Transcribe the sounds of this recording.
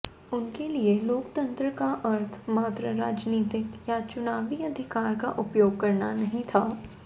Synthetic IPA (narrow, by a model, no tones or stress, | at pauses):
ʊnkelieloːkt̪ɐ̃nt̪ɾəkaʔɐɾt̪ʰmaːt̪ɾəɾaːd͡ʒniːt̪ɪkjat͡ʃʊnaːʋiɐd̪ʱɪkaːɾka̰ʔʊpjoːɡ̚kɐɾnanɐɦĩt̪ʰaː